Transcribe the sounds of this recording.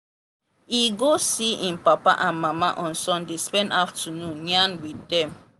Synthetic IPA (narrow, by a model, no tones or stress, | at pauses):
iɡosiĩnpapa̰ʔãnmamaʔɔ̃nsɔ̃ndespɛ̃ndaftʰənũnɲãnwiddɛ̃m